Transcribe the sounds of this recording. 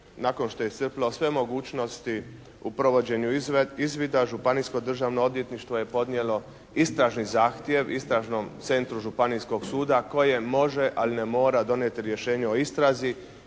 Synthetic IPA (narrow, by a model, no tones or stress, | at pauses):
nako̞nʃt̪o̞jet̪r̩plo̞sʋe̞mo̞ɡuːt͡ʃno̞st̪i | upɾo̞ʋo̞d͡ʑe̞ɲuizʋid̪aʒupanisko̞d̪r̩ʒaʋnood̪ʋje̞t̪niʃt̪ʋoje̞po̞d̪nʲje̞lo̞ | ist̪ɾaʒnizaːxt̪je̞ʋist̪ɾaʒno̞mt̪se̞nt̪ɾuʒupanisko̞ɡsuːd̪ako̞je̞mo̞ʒeʔalinemo̞ːɾad̪o̞nje̞t̪iɾje̞ʃe̞ːɲeo̞ist̪ɾazi